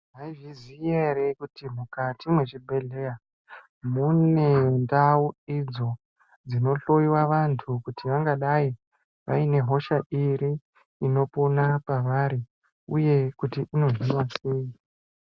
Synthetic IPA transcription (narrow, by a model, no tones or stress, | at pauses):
ʐaiʐizijerekutimukatimwe̞t͡ʃibʱe̞ɮe̞ja | mune̞ndauid͡zo̞ | d͡zino̞ɬo̞jiwaʋantʰukutiʋaŋɡaɗai | ʋa̰ine̞ɦo̞ʃaʔiɾiː | no̞ponapaʋaɾi | uje̞kutiʔino̞ʐinwasiji